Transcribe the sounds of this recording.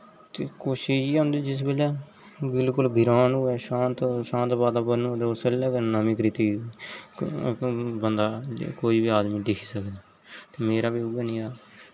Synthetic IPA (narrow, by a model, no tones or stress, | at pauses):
t̪eːkoːʃɪʃiːʊ̃ːnd̪id͡ʒɪs̬bəlɛː | bɪlkʊlbʱɪɾaːnuːɛːʃãːnt̪ʃãːnt̪baːd̪aːbənod̪ːosəlɛːkənəmĩːkɾɪt̪iː | bənd̪aːkoːiːbiːaːd̪miːɖɪkʰi̥ːsəkd̪aː | t̪eːmeːɾaːbiːʊɡənĩːaː